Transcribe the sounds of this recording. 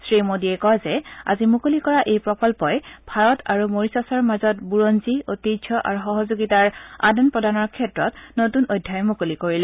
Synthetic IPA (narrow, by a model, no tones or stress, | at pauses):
sɹimodiɛkɔjzɛa̰zimukolikɔɹaʔejpɹɔkɔlpɔjbʱaɹɔtaɹumoɹisasɔɹmazɔtbuɹonziotiɔʔa̰ɹuxɔɦɔzoɡitaɹa̰dɔnpɹɔdanɔɹkʰɛtɹɔtnotunojdʱːajmukolikoɹilɛ